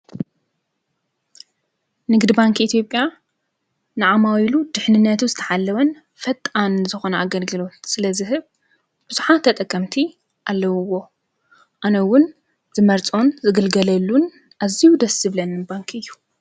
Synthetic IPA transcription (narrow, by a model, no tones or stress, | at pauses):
nɨɡd̪baŋkʔit̪ʰjo̞pʼːja | nɨʕamawilud̪ɨħnɨnːɐt̪ʰuzɨt̪ʰɐħalːɐwɐn | fɐt̪ʼanzɨxo̞nɐaɡɐlɡɨlo̞t̪sɨlɐzɨɦɨβ | b̥ɨz̥uħat̪ʰːɐt̪ʼɐkʼːɐmt̪ʰi | ʔalːɐwuwo̞ | ʔanɐwʊn | zɨmɐɾt͡sʼo̞nzɨɡɐlɡɐlɐlːun | ʔazijud̪ɐsɨβlɐnbaŋkʰɨjːu